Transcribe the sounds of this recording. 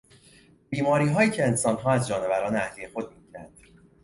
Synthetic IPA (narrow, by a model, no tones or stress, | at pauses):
b̥iːmɒːɾiːɦɒːjiːcʰe̞ːnsɒːnɦɒːæzd͡ʒɒːne̞væɾɒːneæhliːje̞xo̞d̪̚miɡiɾæ̰nd̪̥